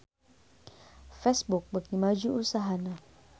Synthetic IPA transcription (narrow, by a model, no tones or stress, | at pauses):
fɛsbuk̚baɡimad͡ʒuʔusaɦana